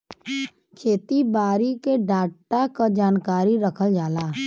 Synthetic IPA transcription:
kʰeːt̪ibaːɾikeɖaːɽʈakad͡ʒaːnkaːɾiɾəkʰəld͡ʒaːlaː

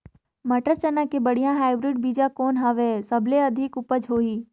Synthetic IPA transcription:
mɐʈəɾt͡ʃənəkebəɽ̤ijãɦaːɪbɾɪɖ̚biːd͡ʒãkɔːnɦəʋeːsəbʱleɐd̪ʱɪkʊpəd͡ʒɦoːiː

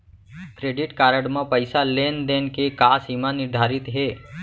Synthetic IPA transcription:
kɾeːɖɪʈkaːɾəɽmãpəɪsaleːnd̪eːnkekaːsiːmanɪɾd̪ʱaːɾɪt̪ɦeː

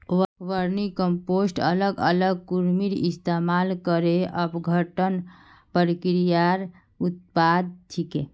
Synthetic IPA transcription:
ʋəɾnikəmposʈələɡə̰ləɡ̚kuɾmiɾist̪emalkəɾeʔəpɡʱəʈən | pəɾikɾijaɾ | ut̪̚pad̪̚t̪ʰike

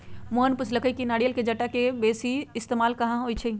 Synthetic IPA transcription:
moɦənpʊsʰləkəjkinaːɽjəlked͡ʒɐʈːakebeːsiɪst̪eːmaːlkɐɦãɦoːit͡ʃʰəi

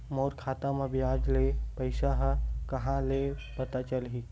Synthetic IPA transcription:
moːɾkʰaːt̪amẽbʱiaːd͡ʒlepəɪʃaɦkɐɦãlepɐt̪at͡ʃəlɦiː

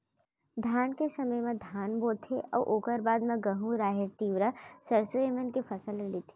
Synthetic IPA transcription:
d̪ʱaːnkesɐməjmẽd̪ʱaːnboːt̪ʰeʔɔ̰ːɾʔoːkəɾbaːd̪mẽɡəɦũɾaːɦeɾt̪iːʋɾəsəɾsoemənkefʰɐsəlɾɪlit̪ʰi̥ː

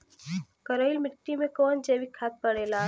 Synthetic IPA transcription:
kəɾəɪlmɪʈːimẽkɔːnd͡ʒeːʋikʰaːt̪̚pəɽeːlaː

